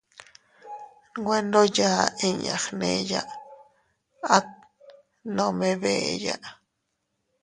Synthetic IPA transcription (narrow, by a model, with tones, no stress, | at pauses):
ɡwe˦ndo˦jaː˦i˦ɲa̰˨χne˧ja˦ʔ | a˦t̪̚ | nõ˧me˦βe˨jaʔ